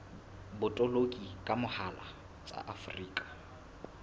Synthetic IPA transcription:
bʊtʼɔlokʼikʼamʊhala̰ | t͡sʼa̰ʔafʊriːkʼḁ

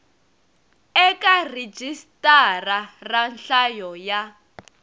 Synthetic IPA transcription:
ɛkared͡ʒistʼararanɬajɔja

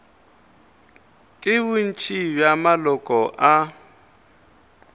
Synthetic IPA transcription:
kʼɪβʊn̩t͡ʃʰʼibjamalɔkʼɔʔa

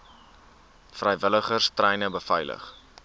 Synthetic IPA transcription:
frəjvələχərstrɛjnəbəfɛjlə̰χ

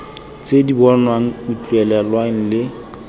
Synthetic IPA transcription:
t͡sʼedibɔnwaŋ̩ut͡ɬʼuɛlɛlwaŋ̩lɪ

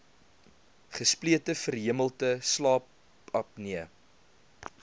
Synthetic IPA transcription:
χəspliətəfərɦiəməlˠtəslɑːp | ɐp̚niə

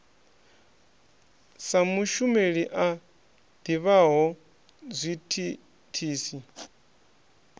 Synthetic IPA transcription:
samuʃumeɺiʔa | d̪̥iβaɦɔ | zʷitʰi | tʰiːsi

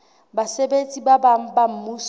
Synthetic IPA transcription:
basebet͡sʼibabaŋ̩bam̩mus

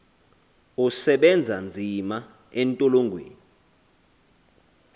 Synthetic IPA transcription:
usɛɓɛnd͡zʱand͡zʱima | ɛntʼoloŋɡʱwḛːni

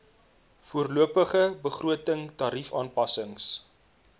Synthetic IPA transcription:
fuərluəpəχəbəχrʔuətəŋtɑːɾifɑːnpɐsəŋs

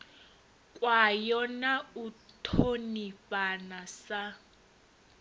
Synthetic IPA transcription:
kʼwajɔnautʰonipanasa

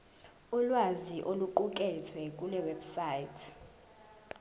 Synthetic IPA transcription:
ulwaziʔoluǃuk̬ʼɛtʰwɛkʼulɛwɛbsaːjitʰ

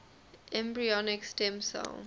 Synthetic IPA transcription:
ʔɛ̃mbɹiɔnɪkstɛ̃msə̰l

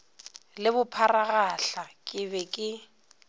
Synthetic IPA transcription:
lɪbʊpʰaraɣaɬakʼɪbɛkʼɪ

